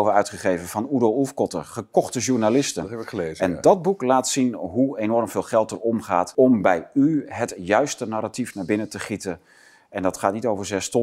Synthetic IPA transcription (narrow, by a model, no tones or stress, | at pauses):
vəœɥtχəχejvənvɑnudowufkɔtə̰ɹχəkɔχtəʒuɹnalɪstəezɛndɑd̚buklaːtsinɦuejnɔɹmv̥ɪːlˠχɛlˠtərɔmχa̰ːtɔmbɛjyɦətjœɥstənaːɾatifnaːɹbɪnətəχitən | ɛndɑtχaːt̚nitowvəɹzɛstɔ